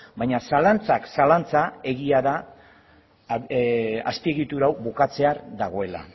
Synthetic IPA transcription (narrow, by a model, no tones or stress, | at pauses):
bajɲasalant͡saksalant͡sae̞ɣiaða | a̰spieɣit̪uɾawβukat͡se̞aɾd̪aɣ̞o̞e̞la̰